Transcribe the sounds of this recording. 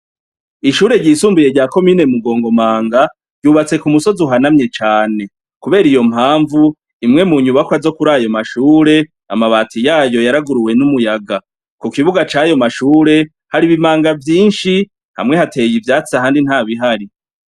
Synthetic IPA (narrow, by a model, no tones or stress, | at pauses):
iʃuːɾe̞ɟiːsuːmbuje̞ɾɟaːko̞miːne̞muɡo̞ːŋɡo̞maːŋɡa | ɾɟuβat͡se̞kumuso̞zuɦanamɲe̞t͡ʃaːne̞ | kuβe̞ːɾijo̞m̥haːɱvu | imŋe̞muɲuβakazo̞kuɾaːjo̞maʃuːɾe̞ | amaβatʰijaːjo̞jaɾaɡuɾuwe̞numujaɡa | kukiβuɡat͡ʃajo̞maʃuːɾe̞ | haɾiβimaːŋɡavjiːnʃi | ha̰mŋe̞hate̞jivjaːt͡siahaːndin̥haːβiɦaɾi